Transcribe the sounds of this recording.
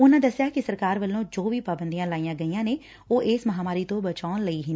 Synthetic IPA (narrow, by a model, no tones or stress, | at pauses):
ʊnãːd̪əsjaːkɪsəɾkaːɾʋəlːõːd͡ʒoːʋiːpaːbənd̪ijãːlaːijãːɡəiːjãːneː | oːʔeːsməɦaːmaːɾiːt̪õːbət͡ʃaːnləiːɦɪnː